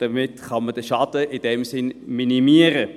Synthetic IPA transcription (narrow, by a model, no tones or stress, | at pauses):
d̥əmɪtχɑməd̥əʃɑdəʔid̥ɛmsɪnminimiəɾə